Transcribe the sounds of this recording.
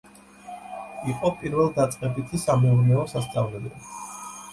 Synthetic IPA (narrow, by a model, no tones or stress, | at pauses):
iqʼɔpʼiɾvɛlˠd̪at̪sʼqʼɛbit̪ʰisamɛuɾiaɔsast̪sʼavlɛlɛ